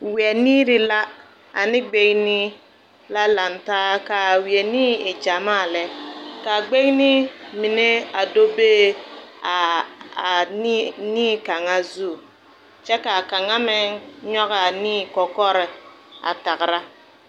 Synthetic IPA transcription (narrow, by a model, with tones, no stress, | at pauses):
wi˨ɛ˨niː˦ɾɪ˦la˦ | a̰˨nɪ˦ɡ͡be˦ŋni˦ | la˦la˨ntaː˦ka˨wi˨ɛ˨niː˦e˨d͡ʒa˨ma˦˨lɛ˦ka˨ɡ͡be˦ŋ˦ni˦mi˨ne˦a˨do˦beː˦a˨ | n˦niː˦ka˨ŋa˦zu˦˨ | t͡ʃɛ˦ka˨ka˨ŋa˦mɪ˦ŋɲɔ˦ɣa˨niː˦kɔ˨kɔ˦ɾɪ˨ | a̰˨ta˨kɾa˦